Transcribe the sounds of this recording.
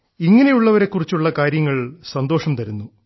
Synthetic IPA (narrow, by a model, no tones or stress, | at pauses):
iŋːɐne̞juɭːɐʋɐɾe̞kːurit͡ɕːuɭːɐkaːɾjɐŋːɐɭsɐnd̪o̞ːʂɐmt̪ɐɾunːu